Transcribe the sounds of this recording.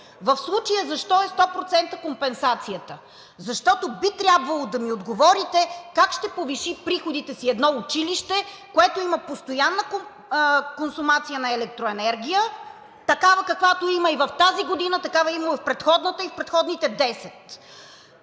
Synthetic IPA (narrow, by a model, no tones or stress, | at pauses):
vɐfslˠut͡ʃəjəzɐʃt̪ɔɛst̪ɔpɾot̪sɛnt̪əkompɛnsat̪sijət̪ə | zɐʃt̪ɔt̪obit̪ɾʲabvɐlˠod̪ɐmiod̪ɡovɔɾit̪ɛkakʃt̪ɛpoviʃipɾixod̪it̪ɛsiɛd̪nɔʊt͡ʃiliʃt̪ɛ | koɛt̪oimɐpost̪ojanːəko | konsumat̪sijənɐɛlɛk̚t̪ɾoɛnɛɾɡʲijə | t̪ɐkavəkɐkvat̪oimɐivɐft̪aziɡod̪inət̪ɐkavɐimɛfpɾɛt̪xɔd̪nət̪əifpɾɛt̪xɔd̪nit̪ɛd̪ɛsɛt̪